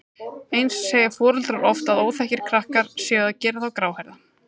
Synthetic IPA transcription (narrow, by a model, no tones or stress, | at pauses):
ejnsːɛːjɪfɔːɾʏlt̪ɾaɾɔft̪aðoːwθɛhcɪɾ̥kʰɾahkaɾ̥sjɛːɣðacɛːɾaθawkɾaːwhɛɾða